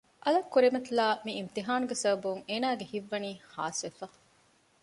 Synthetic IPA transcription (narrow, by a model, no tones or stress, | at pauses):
ʔɐlɐkːuɾimɐt̪ilaːmiimt̪iɦaːnuɡesɐbɐbuŋeːnaːɡehiʋːɐniːha̰ːsʋefɐ